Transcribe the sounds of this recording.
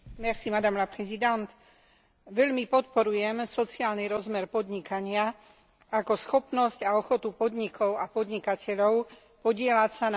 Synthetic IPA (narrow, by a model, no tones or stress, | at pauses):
mɛɾsimad̪amlapɾɛzid̪ant̪ | ʋɛʎmipɔt̪pɔɾujɛmsɔt͡siaːlniɾɔzmɛɾpɔd̪ɲikaɲɪa | akɔsxɔpnɔscaɔxɔt̪upɔd̪ɲikʰɔʊapɔd̪ɲikacʰɛʎɔʊ | pɔɟɪɛlacsan